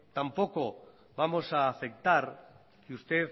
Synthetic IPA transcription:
t̪ampo̞ko̞ | βamo̞saːfe̞k̚t̪aɾ | kust̪e

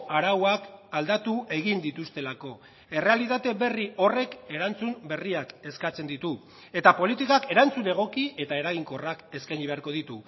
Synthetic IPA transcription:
aɾawakald̪at̪uʔe̞ɣind̪it̪ust̪e̞lako̞ | e̞re̞alit̪at̪e̞βe̞riʔo̞re̞ke̞ɾant͡sumbe̞riake̞skat͡se̞nd̪it̪u | e̞t̪apo̞lit̪ikake̞ɾant͡sune̞ɣ̞o̞kie̞t̪ae̞ɾaɣiŋko̞rake̞skajɲiβe̞aɾko̞ð̞it̪u

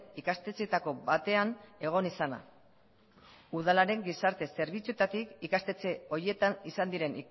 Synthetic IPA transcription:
ikast̪e̞t͡set̪ako̞bat̪e̞ane̞ɣ̞o̞nisana̰ | uð̞alaɾe̞ŋɡisaɾt̪e̞se̞ɾβit͡sue̞t̪at̪ikikast̪e̞t͡se̞o̞ɾie̞t̪anisand̪iɾe̞ni

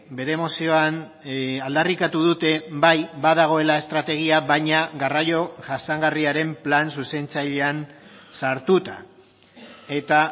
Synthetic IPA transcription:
be̞ɾe̞mo̞sio̞an | ald̪arikat̪uðut̪e̞bajbaðaɣ̞o̞e̞lae̞st̪ɾat̪e̞ɣ̞iaβajɲaɣarajo̞ʝasaŋɡariaɾe̞mplans̬use̞nt͡saʎe̞ansaɾt̪ut̪a̰ | e̞t̪a

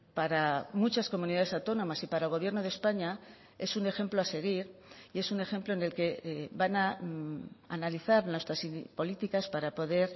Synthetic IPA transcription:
paɾamut͡ʃasko̞mũniðaðe̞sawt̪o̞nõ̞masipaɾaelɣ̞o̞β̞je̞ɾno̞ð̞e̞spaɲa | e̞sune̞xe̞mplo̞ase̞ɣ̞iɾie̞sune̞xe̞mploene̞lke̞bana | a̰naliθaɾnwe̞st̪ɾasipo̞lit̪ikaspaɾapo̞ðe̞ɾ

